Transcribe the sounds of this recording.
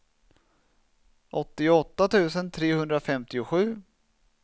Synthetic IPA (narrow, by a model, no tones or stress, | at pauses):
ʔɔt̪ːɪɔt̪ːat̪ʰʉ̟ːsənt̪ʰɾeːhɵnd̪ɾafɛmt̪ɪʊɧʉ̟ː